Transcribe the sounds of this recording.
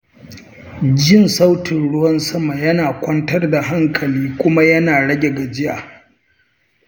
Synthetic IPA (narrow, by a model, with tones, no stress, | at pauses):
d͡ʒɪ˦˨nsa˦wtʰɪ˨nɽʊ˦wɐ˦nsɐ˦ma˨jɐ˦naː˨kʷɐ˦ntɐ˦rda˨ɦa˦ŋkʰɐ˨liː˦kʷʊ˦ma˦jɐ˦naː˨ɽɐ˦ɡʲe˨ɡa˨d͡ʒɪ˦ja̰ː˨